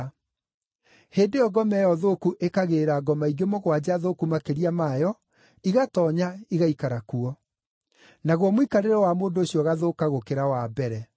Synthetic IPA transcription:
heːndeɔɡɔmɛjɔðoːkuʔekaɣeɾaɡɔmaiɡemoɣwad͡ʑaðoːkumakeɾiamajɔ | iɣatɔɲaiɣaikaɾakuɔ | naɣwɔmwikaɾeɾɔwamoːndoːɕiɔɣaðoːkaɣokeɾawabɛɾɛ

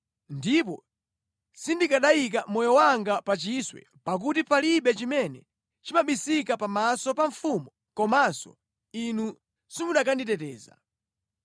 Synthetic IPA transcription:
ndip̬ɔ | sindikaɗajik̬amɔjɔwaŋɡapat͡ʃiswɛ̰ | pak̬utipaliɓɛt͡ʃimɛnɛ | t͡ʃimaɓisikapamasɔpaɱfumu | kɔmasɔ̰ | inu | simuɗakanditɛtɛːza̰

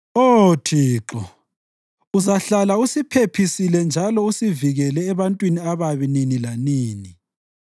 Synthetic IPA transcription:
otʰiːǁɔ | uzaɬalausipʰepʰisilɛnd͡ʒʱalɔusiviɣɛlɛːβantʼwiniaβaβininilaniːni

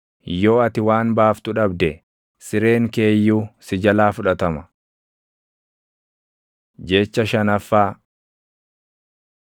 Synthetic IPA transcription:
jo̞ːɐt̪ɪwaːnbaːft̪ʊᶑɐbd̪ɛ | sɪɾe̞ːŋke̞ːjːuːsɪd͡ʒɐlaːfʊᶑɐt̪ɐmɐ | d͡ʒet͡ʃːɐʃɐnɐfːaː

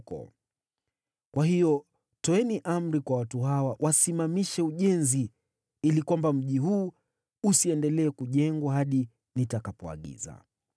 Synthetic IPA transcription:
kɔ̰ | kwʔaɦijɔ | tɔɛniʔam̩ɾikwawatuɦawawʔasimamiʃɛuʄɛnzi | ilikwambam̩ʄiɦuː | siɛndɛlɛːkuʄɛŋɡwaɦaɗi | nitakapɔa̰ɠḭza̰

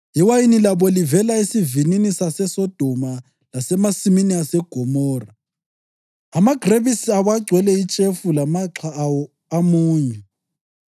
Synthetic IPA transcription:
iwajinilaβɔlivɛlaisivininisasɛsɔd̥ʱɔma | lasɛmasiminiasɛɡ̥ʱɔmɔːra | amaɡ̥ʱreβisiawaɡ͡ǀʱwɛlɛit͡ʃʼefulamaǁʰawɔ | amuːɲɛ

